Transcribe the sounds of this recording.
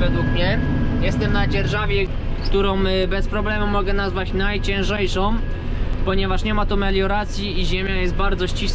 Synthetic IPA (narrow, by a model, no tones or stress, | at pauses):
vɛd̪wukmɲɛ | jɛst̪ɛmnad͡ʑɛɾʐavʲjɛ | kkt̪uɾɔ̃w̃bɛspɾɔblɛmumɔɡɛnazvat͡ɕnajt͡ɕɛ̃ʐɛjʂɔ̃w̃ | pɔɲɛvaʂɲɛmat̪umɛlʲjɔɾat̪sʲjiiʑemʲjajɛst̪̚baɾd̪zɔɕt͡ɕis